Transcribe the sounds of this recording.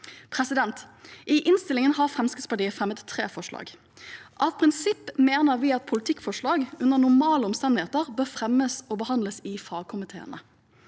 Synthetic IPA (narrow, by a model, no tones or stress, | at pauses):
pʰʁɛsɪd̪ɛnt̪ʔɪʔɪnst̪ɪlɪŋənhɑʁfʁɛmskəspɑʈiːəfʁɛmət̪ʰːʁeːfɔʂlɑ̰ːɡ | ʔɑt̪pʰʁɪnsɪpːmeːnəʁʋɪːɑt̪̚pʰʊlɪt̪ʰɪkːfɔʂlɑːɡʉnənʊmɑːləɔmst̪ɛnd̪ɪheːt̪əʁbøːʁfʁɛmːəsɔːbəhɑnd̪ləsɪfɑːɡ̚kʰʊmɪt̪ʰḛːə̰nə̰